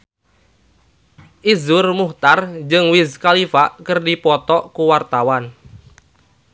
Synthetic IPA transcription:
ʔizʊrmuht̪ard͡ʒɨŋwizkalifaʔkərdipɔt̪ɔkuwart̪awan

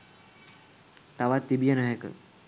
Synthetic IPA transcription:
t̪aʋat̪ːibijənəɦekə̰

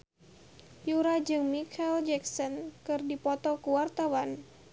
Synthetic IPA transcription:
juɾad͡ʒɨŋmikʰald͡ʒɛksɔnkɨrdipɔt̪ɔkuwart̪awan

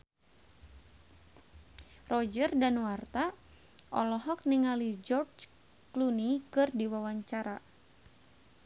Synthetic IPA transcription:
rɔd͡ʒərdanwart̪a | ʔɔlɔɦɔk̚niŋalid͡ʒɔrd͡ʒ | klunikɨrdiwawaɲt͡ʃaɾa

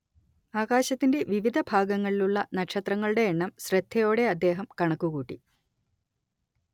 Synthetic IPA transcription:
aːɣaːɕɐt̪ːinde̞ʋiʋid̪ʱɐbʱaːɡɐŋːɐɭiluɭːɐnɐkʂɐt̪rɐŋːɐɭuɽe̞ːɳːɐmɕrɐd̪ʰʱːɐjo̞ːɽe̞ɐd̪ːe̞ːɦɐmkɐɳɐkːuɣuːʈːḭ

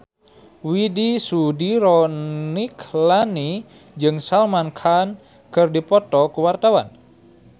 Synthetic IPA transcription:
widisudiɾɔniklani | d͡ʒɨŋsalmankʰan | kɨrdipɔt̪ɔkuwart̪awa̰n

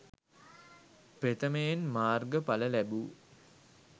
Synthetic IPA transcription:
pet̪əmejenmaːrɡəpaləlæbu

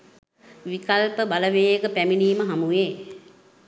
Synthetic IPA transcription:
ʋikalpəbaləʋeːəkəpæminiːməɦamujeː

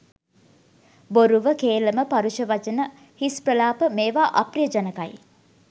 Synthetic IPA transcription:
boɾuʋəkeːləməpaɾuʃəʋat͡ʃənə | hisprəlaːpəmeːʋaːʔɐprijəd͡ʒanəkaj

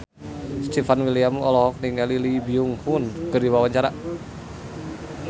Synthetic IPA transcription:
st̪ifanwiliamɔlɔɦɔk̚niŋalilibiuŋhunkərdiwawaɲt͡ʃaɾa

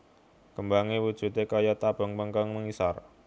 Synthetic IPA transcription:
kəmbaŋiwud̥ʒ̥ṳt̪ekajat̪ab̥ə̤ŋpəŋkaŋməŋisar

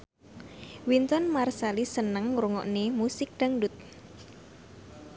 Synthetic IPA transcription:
wint̪ɔnmarsalisənəŋɾuŋɔ̰ʔnemusɪk̚ɖ̥aŋɖut̪̚

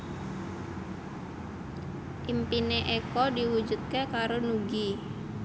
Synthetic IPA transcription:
ʔimpineʔekɔdiwud͡ʒut̪̚kekaɾonuɡi

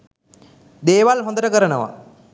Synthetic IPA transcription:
d̪eːʋalɦõnd̪əɾəkəɾənəʋa̰

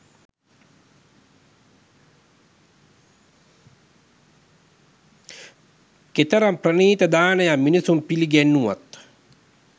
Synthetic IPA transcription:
ket̪əɾamprəniːt̪əd̪aːnəjaminisumpiliɡɛnːuʋa̰t̪

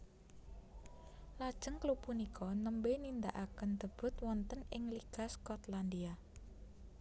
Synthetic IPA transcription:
lad̥ʒ̥əŋklupunikʰɔnəmbenind̪aʔakənd̪̥ə̤b̥ʊ̤t̪̚wɔnt̪ənɪŋliɡ̥a̤skɔt̪land̪ia

